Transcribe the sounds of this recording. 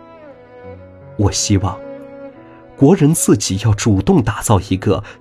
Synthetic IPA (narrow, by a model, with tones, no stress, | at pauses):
wɔ˨˩ɕi˥wɑ˥˩ŋ | kwɔ˧˥ɻə˧˥nt͡sɹ̩˥˩t͡ɕi˨˩jɑ˥˩ʊʈ͡ʂu˨˩t̪ʊ˥˩ŋt̪a˨˩t͡sɑ˥˩ʊi˧˥ɡə̰˧